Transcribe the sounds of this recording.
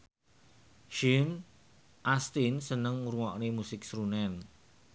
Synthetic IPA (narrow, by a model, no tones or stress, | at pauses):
ʃin | ʔast̪insənəŋuɾŋɔʔnemusɪk̚sɾunɛn